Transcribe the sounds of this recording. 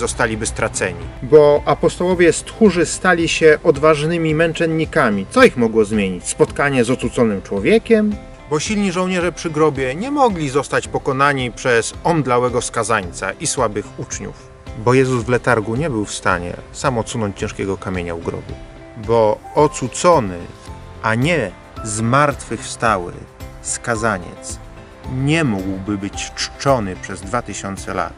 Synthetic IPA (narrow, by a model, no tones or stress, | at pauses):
zɔst̪alʲibɘst̪ɾat̪sɛ̰ɲḭbɔʔapɔst̪ɔwɔvʲjɛst̪xuʐɘst̪alʲiɕɛʔɔd̪vaʐnɘmʲimɛnt͡ʂɛnːikamʲit̪sɔixmɔɡwɔzmʲjeɲit͡ɕspɔt̪kaɲɛzɔt̪sut̪sɔnɘmt͡ʂwɔvʲjɛkʲɛm | bɔɕilɲiʐɔwɲɛʐɛpʂɘɡɾɔbʲjɛɲɛmɔɡlʲizɔst̪at͡ɕpɔkɔnaɲipʂɛzɔnd̪lawɛɡɔfskazaɲt̪sa̰ʔiswabɘxut͡ʂɲṵf | bɔjɛzuzvlɛt̪aɾɡuɲɛbɘwfst̪aɲɛ̰samɔt̪sunɔɲt͡ɕt͡ɕɛ̃ʂkʲɛɡɔkamʲeɲauɡɾɔ̰bṵ | bɔɔt̪sut̪sɔnɘ̰ | ʔaɲɛ | zmaɾt̪fɘxfst̪awɘ̰skazaɲɛ̰t̪s | ɲɛmuɡwbɘbɘt͡ɕt͡ʂt͡ʂɔnɘpʂɛzd̪vat̪ɘɕɔnt̪sɛla̰t̪